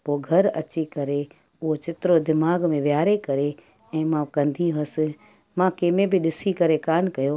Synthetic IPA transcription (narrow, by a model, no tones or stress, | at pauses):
poːɡʱɐɾɐ̰t͡ɕikɐɾe | ʊɦot͡ɕɪt̪ɪɾod̪ɪmaːɡmẽʋjaːɾekɐɾe | ɛ̃ːmãkɐ̃nd̪ʱiɦɐsɪ̆ | mãkeːmẽbɪɗɪsikɐɾekaːnkɐjoː